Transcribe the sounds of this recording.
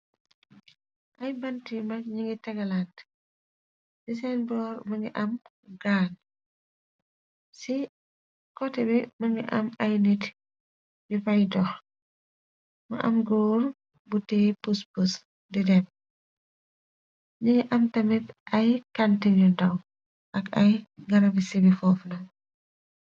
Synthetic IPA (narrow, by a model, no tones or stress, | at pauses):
ʔɐjbɐntimɐk̚ɲiŋɡitɐɡɐlant | d̥is̬ɛnbɔɾmɐŋɡiʔɐm | ɡaːn | si | kɔtɛbɛmɐŋɡiʔɐ̰mɐjnit | jupɐjdɔx | mɐ̰ʔɐ̰mɡuːɾ | butɛpuspus | didɛm | ɲiɲiʔɐmtɐmitʔɐjkantiɲudɐw | ʔɐkɐ̰jɡɐɾɐbisibifɔfnɐŋ